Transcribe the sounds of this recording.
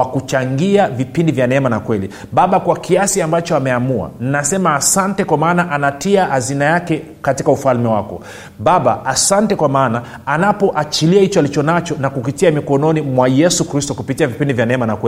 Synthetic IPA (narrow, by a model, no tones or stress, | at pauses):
wakut͡ʃaŋɡiavipindivjanɛɛmanakwɛli | ɓaɓakwakiasiambat͡ʃɔamɛamua̰ninasɛmaːsantɛkwamaːnaʔanatiahazinajakɛ | katikaufalmɛwakɔ̰ | ɓaɓaːsantɛkwamaːna | anapɔʔat͡ʃiliahit͡ʃɔalit͡ʃɔnat͡ʃɔnakupitiamikɔnɔnimwajɛsukɾistɔkupitiavipindivjanɛɛmanakwɛ